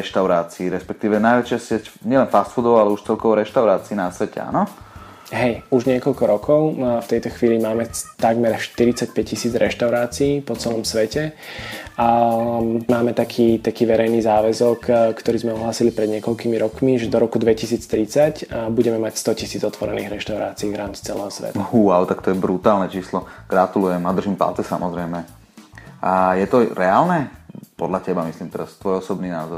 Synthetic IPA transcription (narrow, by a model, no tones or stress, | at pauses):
ɛʃt̪aʊɾaːt͡siːɾɛspɛk̚t̪iːʋɛnajʋɛt͡ʃɪasɪɛcɲɪɛlɛnfast̪fud̪ɔʊalɛuʃt͡sɛlkɔʊɾɛʃt̪aʊɾaːt͡siːnasʋɛcɛ̰a̰nɔ | ɦɛjuʒɲɪɛkɔʎkɔɾɔkʰɔʊft̪ɛjt̪ɔxʋiːlimaːmɛt̪aɡmɛɾʃt̪iɾit͡sac̚pɛccːisiːd͡zɾʔɛʃt̪aʊɾaːt͡siiːpɔt͡sɛlɔmsʋɛcɛ | maːmɛt̪akʰiːt̪akiːʋɛɾɛjniːzaːʋɛzɔkkːt̪ɔɾiːzmɛɔɦlaːsilipɾɛd̪ɲɪɛkɔʎkimiɾɔkmiʒɛd̪ɔɾɔkud̪ʋɛcisiːt͡st̪ɾit͡sacbuɟɛmɛmacst̪ɔcisiːd͡zɔt̪ʋɔɾɛniːɣɾɛʃt̪aʊɾa̰ːt͡siːʋɾaːmt͡si̥t͡sɛlɛ̰ːɦɔsʋɛ̰t̪ahwaʊt̪akt̪ɔjɛbɾut̪aːlnɛt͡ʃiːslɔɡ̥ɾat̪ulujɛmad̪r̩ʒiːmpa̰ltɛsa̰mɔzɾɛɪmɛ | ʔajɛt̪ɔɾɛaːlnɛpɔd̪lacɛbamisliːmt̪ɛɾast̪ʋɔjɔsɔbniːna̰ːzɔɾ